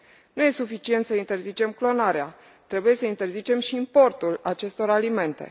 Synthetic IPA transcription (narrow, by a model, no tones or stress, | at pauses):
nuje̞sufit͡ʃient̪səint̪e̞rzit͡ʃe̞mklo̞naɾea | t̪ɾe̞buje̞səint̪e̞rzit͡ʃe̞mʃiːmpo̞rt̪ulat͡ʃe̞st̪o̞ɾalime̞nt̪e̞̰